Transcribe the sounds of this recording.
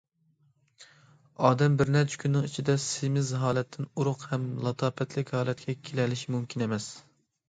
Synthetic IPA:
ɑːd̪ɛmbɪɾnɛɾt͡ʃʰɛ̥kʲʰynːɪŋit͡ʃʰid̪ɛsemɪzɦɑːlɛt̪ʰːɪnuɾʊqhɛmlˠɑt̪ʰɑːpʰɛt̪ʰlɪkʲhɑːlˠɛt̪̚kʲɛkʲʰelɛlɪʃmumkʲʰinemɛs

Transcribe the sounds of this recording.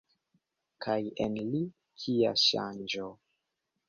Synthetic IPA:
kʰajenli | kʰia̰ʃa̰nd͡ʒo

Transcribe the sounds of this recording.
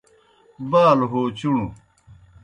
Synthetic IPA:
baːlɦoːt͡ɕuɳu

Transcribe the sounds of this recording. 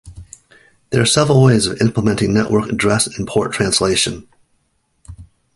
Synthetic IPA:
ðə˞ːsɛvɹl̩ˠweɪzʌvɪ̃mpləmɛ̃ntɪ̃ŋnɛʔwʔə˞kɨdɹɛsɨ̃n̩pʰɔɹtʰɹ̥æ̃nsleɪʃɨ̃n

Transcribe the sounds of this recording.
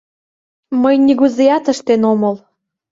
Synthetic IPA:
məjniɣuzejɑt̪əʃt̪enomɤl

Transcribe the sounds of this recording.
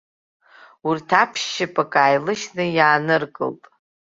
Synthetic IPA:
urtʰapʰʃːɪpʼakʼaːjlɨʃnɨjaːnɨrkʼɨ̰ltʼ

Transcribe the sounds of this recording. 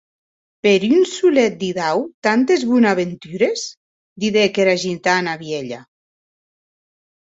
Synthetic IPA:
peɾynsulɛt̪̚d̪iðawt̪ant̪ezβunaβent̪yɾes | d̪iðekeɾaʒit̪anaβjeʎa̰

